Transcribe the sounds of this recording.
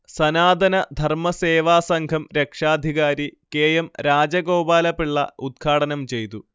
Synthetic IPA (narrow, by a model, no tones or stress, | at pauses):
sɐnaːd̪ʱɐnɐd̪ʱɐrmɐseːʋaːsɐŋɡʱɐmɾe̞kʂaːd̪ʱiɣaːɾikeːjɐmɾaːd͡ʑɐɣo̞ːbaːlɐpːiɭːɐ̰ud̪̚ɡʰʱaːɽɐnɐmt͡ɕe̞jt̪u